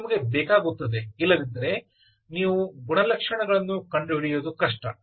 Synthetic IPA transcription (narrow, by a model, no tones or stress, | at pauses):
mɐɡe̞bɛːkaːɡut̪ːɐd̪e̞ilːɐd̪ind̪ɐɾe̞ | niːʋuɡuɳɐlɐkʂɐɳɐɡɐɭɐnːukɐɳɖuɦiɽijoːd̪ukɐʂʈɐ